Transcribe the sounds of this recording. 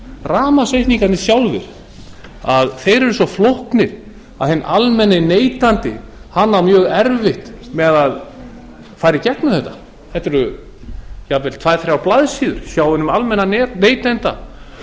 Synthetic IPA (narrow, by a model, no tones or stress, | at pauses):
raːmasejht̪niŋkant̪ɪsjawlvɪ̰ɾ̥ | aðθejɾɛɾʏsɔflohknɪɾ̥ | a̰ðhɛnːʔalmɛnːɪneːjt̪ant̪ɪhanːawmjœːɣɛɾvɪht̪mɛðað | faːjɾɪcɛknʏθɛht̪ːḁ | θɛht̪ːɛɾʏ | javɛlt̪ʰv̥aːjθɾjawplaðsiːðʏɾ̥sjaːwhʏnʏmalmɛnːaɛneːjt̪ɛnt̪a̰